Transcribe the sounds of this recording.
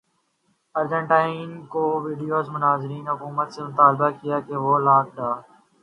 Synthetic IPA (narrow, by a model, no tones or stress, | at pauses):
əɾd͡ʒə̃ɳʈaːinkoːʋiːɖijoːzmʊnaːzɾiːnɦʊkuːmət̪semʊt̪aːlbakijaːkeʋoːlaːkɖaː